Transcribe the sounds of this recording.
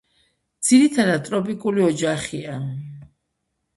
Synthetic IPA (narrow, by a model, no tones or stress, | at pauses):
d̪z̥iɾit̪ʰad̪ad̪̚t̪ʼɾɔpʼikʼuliɔd͡ʒaχia